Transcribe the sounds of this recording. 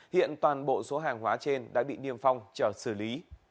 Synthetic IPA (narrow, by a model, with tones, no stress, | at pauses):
hḭ˧˨ənt̪waː˨˩nɓo̰˧˨so˨˦ɦaː˨˩ŋɦwaː˨˦t͡ɕe˧nɗa̰ː˧˥ɓḭ˧˨ni˧əmfa˧wŋ͡mt͡ɕəː˧˩sɨː˧˩li˨˦